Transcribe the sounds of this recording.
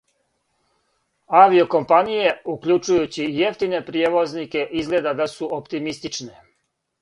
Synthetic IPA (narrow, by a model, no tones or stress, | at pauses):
aʋio̞ko̞mpanije̞ukʎut͡ʃujut͡ɕije̞ft̪ine̞pɾijeʋo̞znike̞ʔizɡle̞d̪ad̪asuʔopt̪imist̪it͡ʃne̞